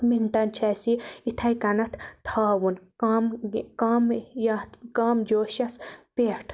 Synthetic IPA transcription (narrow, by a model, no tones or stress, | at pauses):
miɳʈɐnt͡ʃʰɛsiit̪ʰɐjkɐnɐt̪ʰt̪ʰaːwunmkamjɐt̪kaːmd͡ʒoːʃɐspeːʈʰ